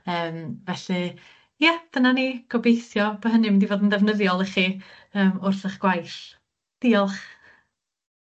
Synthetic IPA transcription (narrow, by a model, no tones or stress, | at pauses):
əːmvɛɬɨ | jɛd̥ənaniːɡ̥ɔbejθjɔbəɦənɨmɪndivoːdəndɛvnəðjɔlˠəχi | əːmʊrθəχɡ̥wajɬ | d̥iːɔlˠχ